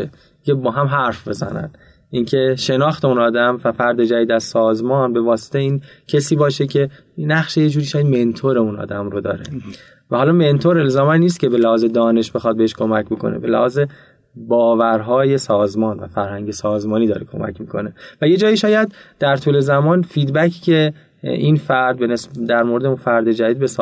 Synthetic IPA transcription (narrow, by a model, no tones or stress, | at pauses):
e | icʰe̞bɒːɦæmɦæɾfbe̞zæ̰næ̰n | ʔiːncʰe̞ʃe̞nɒːxt̪ʰe̞unɒːd̪æmvæfæɾd̪e̞d͡ʒæviːd̪æz̥sɒːzmɒːnbe̞vɒːse̥t̪ʰejiːncʰesiːbɒːʃe̞cʰe̞ | næχʃejed͡ʒuːɾiʃɒːjæd̪me̞nt̪ʰoɾeunɒ̰ːd̪æmɾod̪ɒ̰ːɾḛ | væhɒːlɒːme̞nt̪ʰo̞ɾelzɒːmænːiːs̬t̪̚cʰʲe̞be̞læhɒːze̞d̪ɒːne̞ʃb̥e̞xɒd̪̚beeʃkʰo̞mæcbo̞kʰo̞̰nḛbe̞læ̰hɒːze | bɒːvæɾɦɒːje̞sɒːzmɒːnvæ̰fæɾhæŋɟe̞sɒːzmɒːniːd̪ɒːɾekʰo̞̰mæ̰cʰmiːkʰo̞̰ne̞væje̞d͡ʒɒːiʃɒːjæd̪d̪̥æɾt̪ʰuːle̞zæmɒːnfiːd̪bæcʰcʰe̞ | infæɾd̪̚benesd̪æɾmoɾed̪eunfæɾd̪e̞d͡ʒæd̪iːd̪bes